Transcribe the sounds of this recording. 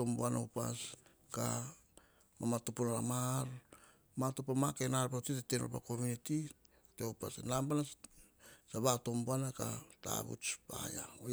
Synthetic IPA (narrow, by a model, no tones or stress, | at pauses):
omboanopa̰s | ka̰ | mamatupunala̰maɾ | matupamakenaɾpatiteteno̰pa̰ko̞muniti | teopa̰senambana | saβatombuanakata̰βṵt͡ʃpa̰ja̰o